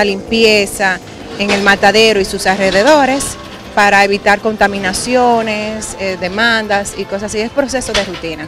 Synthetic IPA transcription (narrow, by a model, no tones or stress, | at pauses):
alimpje̞sa | e̞ŋe̞lmat̪aðe̞ɾoisusalre̞ðe̞ðo̞ɾe̞s | paɾae̞βit̪aɾko̞nt̪amĩnasjo̞neseðe̞mãnd̪asiko̞s̬asiespɾo̞se̞so̞ðe̞rut̪ina